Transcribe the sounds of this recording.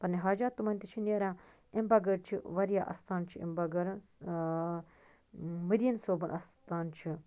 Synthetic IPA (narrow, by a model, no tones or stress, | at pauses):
pɐɾniɦaːd͡ʒaːt̪ːumɐnʲt̪it͡ʃʰineɾãː | imbɐɡɐɾt͡ʃʰiʋɐɾjaːʔɐ̰st̪aːnt͡ʃʰiḭmbɐɡɐɾn | mɐd̪iːnsoːbɨnʔɐst̪aːnt͡ʃʰi